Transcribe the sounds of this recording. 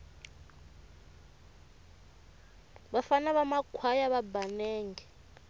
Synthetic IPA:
βafanaβamakʰwajaβabanɛːŋɡɛ

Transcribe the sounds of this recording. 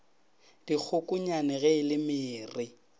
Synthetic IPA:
d̥ik͡xʰʊkʼʊɲanɛɣɛɪlɪmɪːrɪ

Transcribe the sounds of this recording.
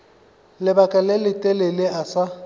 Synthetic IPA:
lɪbakʼalɪlɪtʼɛlɪlɪʔasa

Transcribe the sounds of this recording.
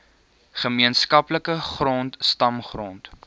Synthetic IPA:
χəmiənskɐpləkəχrontstɐmχront

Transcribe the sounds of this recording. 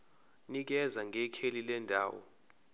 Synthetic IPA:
nik̬ɛzaŋɡʱɛkʰelilɛndʱa̰ːwɔ̰

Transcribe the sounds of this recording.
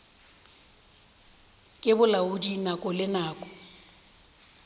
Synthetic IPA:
kʼɪbʊlaʊdinakʼɔlɪnaːkʼɔ̥

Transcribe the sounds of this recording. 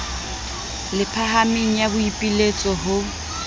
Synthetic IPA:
lɪpʰaɦamiŋ̩jabʊipʼilet͡sʼɔɦʊ

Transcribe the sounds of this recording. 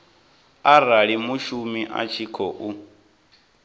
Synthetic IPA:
araɺimuʃumiʔa̰t͡ʃʰikʰɔʔu

